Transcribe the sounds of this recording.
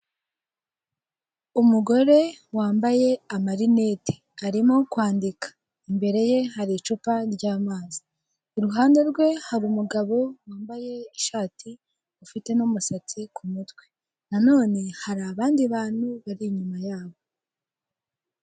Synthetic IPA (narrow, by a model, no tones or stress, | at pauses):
umuɡo̞ɾe̞waːmbaje̞amaɾine̞ti̥ | aɾimokwaːndikḁ | imbe̞ɾe̞je̞ɦaɾit͡ʃupaɾɟaːmaːziː | ɾuɦaːnde̞ɾɡwe̞haɾuːmuɡaβo̞waːmbaje̞iʃaːtʰi | ufite̞numusat͡sikʰumutwe̞ | nano̞ːne̞haɾaβaːndiβaːn̥huβaɾiɲumajaːβo̞